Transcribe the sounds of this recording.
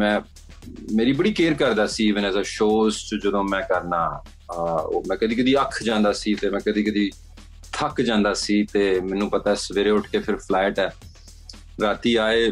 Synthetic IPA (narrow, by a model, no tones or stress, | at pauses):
mɛ̃ː | meːɾiːbəɽiːkeːɾkəɾd̪aːsiːʋɪnɛ̃ːzaːʃoːzt͡ʃd͡ʒəd̪õːmɛ̃ːkəɾnaː | oːmɛ̃ːkəd̪iːkəd̪iːəkʰd͡ʒãːnd̪aːsiːt̪eːmɛ̃ːkəd̪iːkəd̪iː | t̪ʰəkd͡ʒãːnd̪aːsiːt̪eːmɛ̃ːnːũːpət̪aːɛːsəʋeːɾeːʊʈʰkeːpʰɪɾpʰlɛːʈɛː | ɾaːt̪iːaːeː